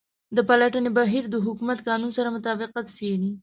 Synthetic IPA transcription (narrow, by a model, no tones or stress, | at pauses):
d̪əpalaʈənebaɦiɾd̪əɦʊkumat̪kɑnunsaɾamʊt̪ɑbɪqat̪seɽi